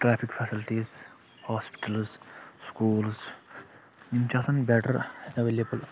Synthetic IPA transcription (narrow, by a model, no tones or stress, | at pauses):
ʈɾaːpʰikfʰɛsilʈiːz | haːspi̥ʈɐlsskuːls | nimt͡ʃaːsɐnbɛːʈɐɾenɐʋelebɐl